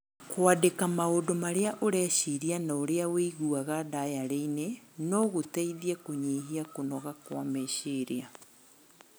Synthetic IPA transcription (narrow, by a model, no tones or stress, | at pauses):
kwadekamaodomaɾeaʔoɾɛʃiɾianaoɾeaweiɣuaɣadajaɾeinenɔɣotaiðiɛkoɲeɦiakonɔɣakwameʃiɾia